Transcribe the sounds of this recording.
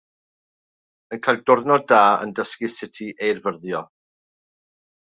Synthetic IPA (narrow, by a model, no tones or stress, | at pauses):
ənkʰajlˠdʊrðnɔdaːə̰ndəskisɪtʰiʔejrvərðjɔ